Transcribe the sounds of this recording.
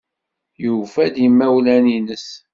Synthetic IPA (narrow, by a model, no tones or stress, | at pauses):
jufæd̪jimːæwlæninəs